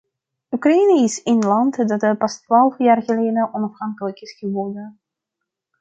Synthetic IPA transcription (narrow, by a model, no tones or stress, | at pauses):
ukrainiɪsɪnlɑntdɑtəpɑstʋaːlˠfjaːrɣəleːdənʔɔnɑfhɑŋkələkɪsxəʋɔrdən